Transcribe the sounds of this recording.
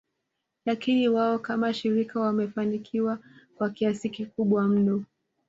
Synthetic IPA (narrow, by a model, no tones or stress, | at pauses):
lakiniwaɔkamaʃiɾikawamɛfanikʰiwakwakiasikikuɓwam̩nɔ